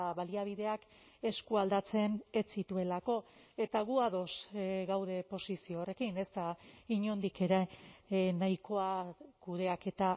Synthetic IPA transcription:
βaliaβ̞iðe̞ak | e̞skuald̪at͡se̞net͡sit̪ue̞lako̞e̞t̪aɣuaðo̞sɣawðe̞po̞sisio̞ːre̞kine̞st̪aiɲo̞nd̪ike̞ɾe | najiko̞akuð̞e̞ake̞t̪a

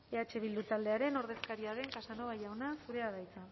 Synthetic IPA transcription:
e̞at͡ʃe̞β̞ild̪ut̪ald̪e̞aɾe̞no̞ɾðe̞skaɾiaðe̞ŋkasano̞βajawnasuɾe̞aðajt͡sa

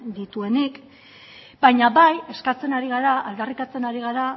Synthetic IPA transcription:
d̪it̪ue̞nik | bajɲaβaje̞skat͡se̞naɾiɣaɾaald̪arikat͡se̞naɾiɣ̞aɾa

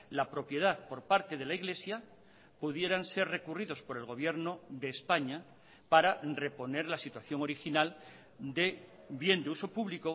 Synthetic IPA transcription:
lapɾo̞pje̞ð̞aðpo̞ɾpaɾt̪e̞ð̞e̞laiɣle̞sja | puðje̞ɾanse̞ɾre̞kuriðo̞spo̞ɾe̞lɣo̞β̞je̞ɾno̞ðeːspaɲa | paɾare̞po̞ne̞ɾlasit̪waθjo̞ŋo̞ɾixinal | d̪e̞ | bje̞nd̪euso̞puβliko

